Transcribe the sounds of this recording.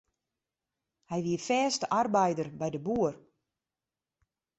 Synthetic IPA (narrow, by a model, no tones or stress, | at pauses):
hɛjʋiəfɛːstəʔarbɛjdərbɛjdəbuər